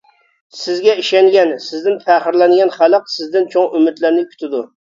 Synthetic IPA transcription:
sɪzɡʲɛiʃɛŋɡʲɛnsɪzd̪ɪnfʰæχəɾlɛnɡʲɛnχælˠəq̚sɪzd̪ɪnt͡ʃʰoŋymɪt̪læɾnɪkʲʰy̥t̪ɪd̪u

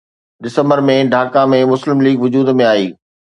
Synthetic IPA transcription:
ɗɪsə̃mbəɾmẽɖʱaːkamẽmʊslɪmliːɡʋʊd͡ʑuːd̪mẽaːiː

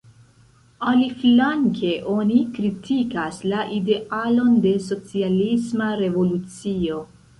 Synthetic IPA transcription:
aliflaŋkʰe̞ʔo̞nikɾitʰikaslaʔide̞alo̞nde̞so̞t͡sialismaɾe̞vo̞lut͡sio̞

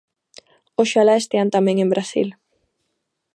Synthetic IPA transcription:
oʃalaest̪eant̪amẽŋembɾasḭl

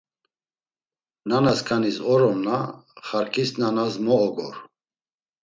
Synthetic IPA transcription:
nanaskʰanisɔɾɔmnaχaɾkʰisnanasmɔɔɡɔ̰ɾ

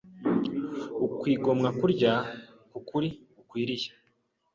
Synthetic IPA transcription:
ukwiːɡo̞mŋakuɾɟa | kukuɾi | ukwiːɾiʃḁ

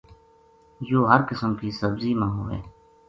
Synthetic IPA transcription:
joːɦəɾkəsəmkiːsəbziːmãːɦo̰ːḛː

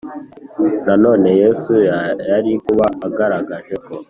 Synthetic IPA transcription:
nano̞ːne̞je̞ːsujaɾikuβaːɡaɾaɡaʒe̞ko̞

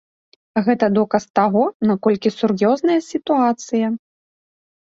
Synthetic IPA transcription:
ɣɛt̪ɐd̪ɔkɐst̪aɣɔnakɔlʲkʲisurjɔznɐjɐsʲit̪uat̪sɨjɐ

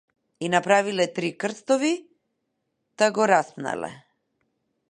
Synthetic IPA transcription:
inapɾavilɛt̪ɾikr̩st̪ɔvi | t̪aɡɔɾaspna̰lɛ̰

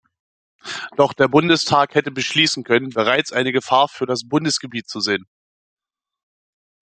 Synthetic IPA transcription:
d̥ɔχd̥eːɐbʊndəstʰaːkhɛtəbəʃliːsn̩kʰœnənbəʁ̞aɪt͡sʔaɪnəɡəfaːɐfyːɐɾasb̥ʊndəsɡ̥əbiːtt͡suzeːən

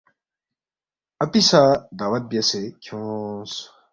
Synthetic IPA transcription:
ɐpisad̪aːwɐt̪̚bijɐsekʰjõs

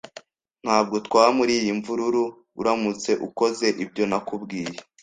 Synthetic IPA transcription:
n̥haːb̚ɡo̞tkwaːamuɾiːjiɱvuɾuɾu | ṵɾamut͡se̞ʔuko̞ze̞ʔibɟo̞nakubɡiːje

